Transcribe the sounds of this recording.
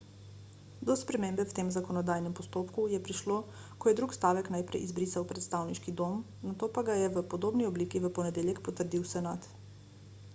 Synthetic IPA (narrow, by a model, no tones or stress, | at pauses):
d̪ɔspɾɛmembɛwt̪eːmzakɔnɔd̪aːjnɛmpɔst̪oːpkujɛpɾiʃloː | kɔjɛd̪ɾukst̪aːʋɛknajpɾɛ̰jʔizbɾiːsawpɾɛt̪st̪awniʃkid̪om | nat̪oːpaɡajɛʋəpɔd̪oːbniɔbliːkiʋəpɔnɛd̪eːljɛkpɔt̪əɾd̪iwsɛnat̪